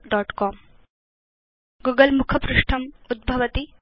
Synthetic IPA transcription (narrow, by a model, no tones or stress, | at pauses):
ɖɔːʈkɔːm | ɡuːɡəlmukʰɐpɾʊʂʈʰɐmud̪̚bʱɐʋɐt̪i